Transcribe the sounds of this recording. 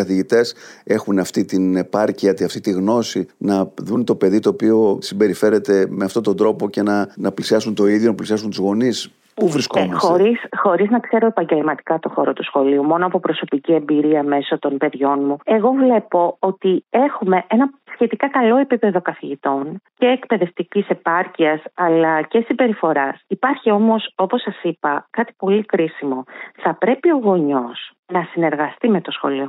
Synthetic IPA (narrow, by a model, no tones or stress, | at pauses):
kɐθiʝit̪e̞se̞xunɐft̪it̪ine̞pɐɾciɐt̪iɐft̪it̪iɣno̞sinɐðunt̪o̞pe̞ðit̪o̞ːpio̞simbe̞ɾife̞ɾe̞t̪e̞meɐft̪o̞t̪o̞nd̪ɾo̞poce̞nɐnɐplisiɐsunt̪o̞iðjo̞nɐplisiɐs̬unt̪uzɣo̞nis | puvɾiskoeɐsxoɾisxo̞ɾiznɐkse̞ɾo̞e̞pɐɲɟe̞lmɐt̪i̥kɐt̪o̞xo̞ɾot̪usxo̞liumo̞noɐpopɾo̞so̞picie̞mbiɾiɐme̞so̞t̪o̞npe̞ðʝo̞nmue̞ɣo̞vle̞po̞ot̪ie̞xume̞ʔe̞nɐsçe̞t̪ikɐkɐlo̞e̞pipe̞ðo̞kɐθiʝit̪o̞nce̞ːkpe̞ðe̞ft̪icise̞pɐɾciɐsɐlɐce̞sibe̞ɾifo̞ɾɐsipɐɾçio̞mo̞so̞po̞sɐsipɐkɐt̪i̥po̞likɾisimo̞θɐpɾe̞pio̞ɣo̞ɲo̞s | nɐsine̞ɾɣɐst̪ime̞t̪o̞sxo̞̰lio̞